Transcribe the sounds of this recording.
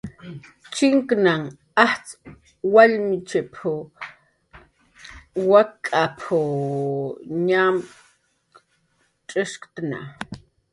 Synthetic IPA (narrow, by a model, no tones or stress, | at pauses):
t͡ʃiŋknaŋ | aht͡s | walmit͡ʃepʰu | wakʼapʰu | ɲam | ʈ͡ʂʼəʂkt̪na̰